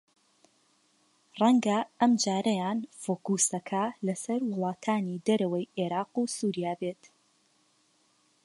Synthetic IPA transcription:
rɛŋɡɐɐmd͡ʒaːɾɐjaːnfoːkuːsɐkʰɐlɐsɐɾwɨlˠɑːt̪ʰaːnid̪ɐɾɐwɐjʔeɾɑːqusuːɾijaːbet̪

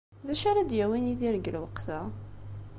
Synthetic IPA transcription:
ðæʃaɾad̪jæwiniðiɾəɡəlwəqθa

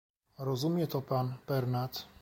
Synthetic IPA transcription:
ɾɔzumjɛt̪ɔpaːnpɛɾnat̪

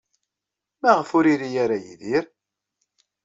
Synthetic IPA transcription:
mæʁəfʊɾiɾijaɾajiðiɾ

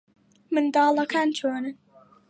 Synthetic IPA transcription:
mɨnd̪ɑːlɐkʰaːnt͡ʃʰoːnən

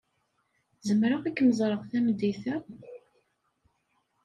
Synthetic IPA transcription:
zəmɾaʁækːməzˤɾˤəʁθæmd̪ːiθæ

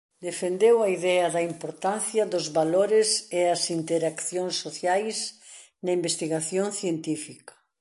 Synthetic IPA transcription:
d̪efend̪ewɐiðɛɐðɐimpoɾt̪anθjɐðʊzβaloɾɪseɐsint̪eɾakθjoŋsːoθjajs | nɐimbest̪iɣaθjoŋθjent̪ifikɐ̥

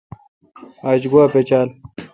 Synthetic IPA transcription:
aːt͡ɕɡwaːpet͡ɕaːl

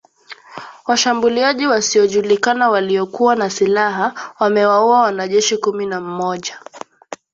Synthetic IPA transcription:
waʃambuliaʄiwasiɔʄulikanawaliɔkuwanasilaɦawamɛwauawanaʄɛʃikuminam̩mɔʄa

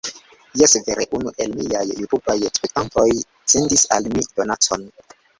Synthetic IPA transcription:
jesveɾeʔunuʔe̞lmiajuɾupajekspektanto̞j | sendisa̰lmido̞nat͡so̞n

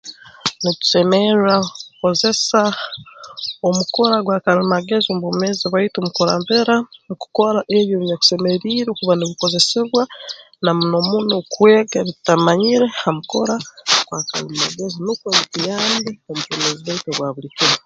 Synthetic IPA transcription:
nitu̥semeɾɾakkuko̞ze̞sa | omuko̞ɾaɡwaːkalimaɡe̞zombomeziβaitomuko̞ɾa̰ːmpeɾaniku̥ko̞ɾaʔeβjoβiɲaku̥se̞meɾiɾekuβaniβiko̞ze̞siβwa | namunomunokweːɡaβitamaɲiɾe̞hamuko̞ɾaɡ̥waka̰limaɡezinukwenekijaːnbiomukomeziβaitoβwaβulikiɾa

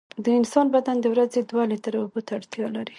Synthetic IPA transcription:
d̪əɪnsɑnbad̪and̪əwɾazed̪walet̪aɾaubot̪aaɽt̪jɑlaɾi

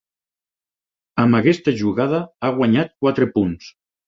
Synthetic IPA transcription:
əmbakɛst̪aʒuɣað̞aaɣwaɲat̪̚kwat̪ɾepuns

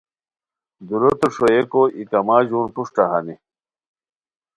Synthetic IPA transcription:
d̪uɾot̪oʂojekoʔikɐmaːd͡ʑuːnpuʂʈɐɦɐ̰ni

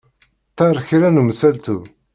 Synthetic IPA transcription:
t̪ːɑɾˤçɾænumsælt̪u

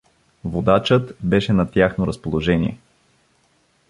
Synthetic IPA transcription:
vod̪at͡ʃɤt̪bɛʃɛnɐt̪ʲjaxnoɾɐəspolˠoʒɛnḭɛ

